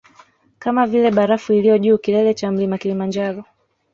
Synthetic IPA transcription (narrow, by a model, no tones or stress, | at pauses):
kamavilɛɓaɾafuilijɔʄuːkilɛlɛt͡ʃam̩limakilimand͡ʒaɾɔ